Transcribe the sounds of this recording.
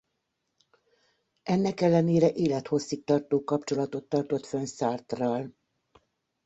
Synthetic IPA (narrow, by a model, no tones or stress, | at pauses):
ɛnːɛkɛlːɛneːɾɛʔeːlɛt̪ho̞sːik̚t̪ɒrt̪oːkɒpt͡ʃo̞lɒt̪o̞t̪ːɒrt̪o̞t̪fønsaːrt̪rɒl